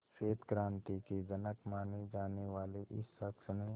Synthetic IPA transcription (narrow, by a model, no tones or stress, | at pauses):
ʃeːt̪kɾãːnt̪ikid͡ʒɐnəkmaːnid͡ʒaːneʋaːliʔɪ̰sːəksnẽ